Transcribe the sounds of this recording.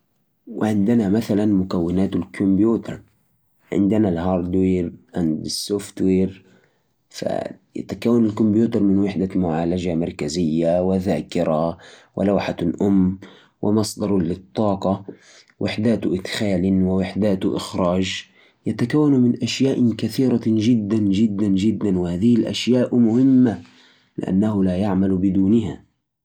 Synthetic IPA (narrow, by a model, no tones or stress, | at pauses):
wɪʕɪnd̪ɪnamaθalanmʊkawːɪnaːt̪alkʰʊmbjuːt̪ɑɾˤ | ʕɪ̰nd̪ɪnalɦɑːɾˤd̪weːɾʔand̪ɪsːoft̪weːɾ | fa̰ja̰t̪akawːanalkʊmbjuːt̪ɑɾˤmɪnwɪħd̪amʊʕaːlad͡ʒamɑɾˤkazɪjːawɪðaːkɪɾawɪ̰lawħalʔʊmː | wɪmɑsˤd̪ɑɾˤlɪt̪ˤːɑːqɑ | wɪħd̪aːt̪ʔɪd̪xaːlwɪwɪħd̪aːt̪ʔɪ̰xɾˤɑːd͡ʒ | jat̪akawːanmɪnʔaʃjaːʔkaθiːɾaʒɪd̪ːand͡ʒɪd̪ːand͡ʒɪd̪ːanwɪhaːðɪhɪlʔaʃjaːʔmʊhɪmːa | lɪ̰ʔa̰nːahʊlaːjaʕmalbɪd̪uːnɪɦa